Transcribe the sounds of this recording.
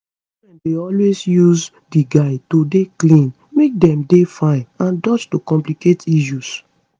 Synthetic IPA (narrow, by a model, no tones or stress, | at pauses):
mɛ̃ndeɔlwesjuz | diɡaɪtodeklĩn | mek̚dɛ̃mdefãɪ̃nãndɔt͡ʃtokɔ̃mpliketiʃus